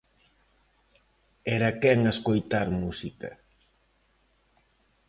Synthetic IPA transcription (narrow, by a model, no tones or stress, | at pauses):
ɛɾɐkɛŋeskojt̪aɾmusikɐ̰